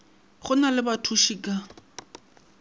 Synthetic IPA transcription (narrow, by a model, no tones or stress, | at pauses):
χʊnalɪbatʰuʃikʼa